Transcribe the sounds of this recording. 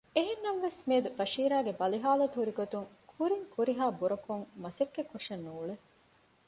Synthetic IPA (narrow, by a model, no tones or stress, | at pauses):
eɦenːɐʋʋesmeːd̪ubɐʃiːɾaːɡebɐliɦaːlɐt̪ɦuɾiɡot̪uŋkʰuɾiŋkuɾiɦaːbuɾɐkuŋmɐsekːekːoʂɐnːuːɭe